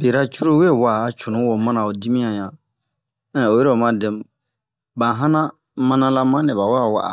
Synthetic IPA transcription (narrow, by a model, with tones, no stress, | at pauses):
be˨ɾa˦t͡ʃu˦ɾo˦we˦˨wa˨t͡ʃu˨nũ˨˦wo˨mã˦nã˨o˨di˦mĩ˦ã˨jã˨ | ɛ̃˦˨o˨je˦ɾe˦o˨mã˦dɛ˨m | bã˨ɦã˦nã˦ | mã˦nã˧la˦mã˦nɛ̃˨ba˨wa˦a˨wa̰˨ʔa̰˨